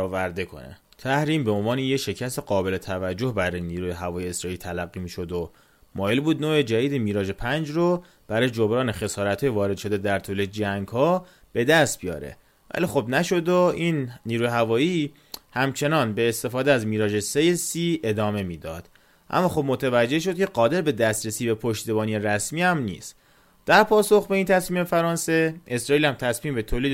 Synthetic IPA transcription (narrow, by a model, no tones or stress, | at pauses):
væɾd̪e̞kʰo̰nḛ | t̪ʰæhɾiːmbeo̞nvɒːnejeʃe̞cʰæst̪e̞ɡɒːbe̞le̞t̪ʰævæd͡ʒːo̞hbæɾɒːjeniːɾuːjeɦævɒːjeesɾɒːilt̪ʰælæɡːiːmiːʃo̞d̪o | mɒːjelbuːd̪noːʔed͡ʒæd̪iːd̪emiːɾɒːʒe̞pʰænd͡ʒro | b̥æɾɒːjed͡ʒo̞bɾɒːnexe̞sɒːɾæt̪ʰhɒːjevɒːɾed̪ʃo̞d̪e̞d̪æɾt̪ʰuːled͡ʒæŋɡhɒː | b̥e̞d̪æst̪̚bijɒ̰ːɾḛ | væ̰lixo̞bnæʃo̞d̪oinnːiːɾuːjɦævɒːji | hæmt͡ʃʰe̞nɒːnbe̞ːst̪e̞fɒːd̪eæzmiːɾɒːd͡ʒe̞sejesiːe̞d̪ɒːme̞miːd̪ɒ̰ːd̪̥ | ʔæ̰mːɒːxo̞b̚mot̪ʰævæd͡ʒːe̞hʃ̬o̞d̪̚cʰe̞ɢɒːd̪e̞ɾbe̞d̪æst̪ɾesiːbepʰoʃt̪ibɒːnieɾæsmiːhæmnḭːst̪ | d̪̥æɾpʰɒːsoxbe̞int̪ʰæsmiːme̞fæɾɒːnse̞e̞sɾɒːiːlhæmt̪ʰæsmiːmbe̞t̪ʰoːliːd̪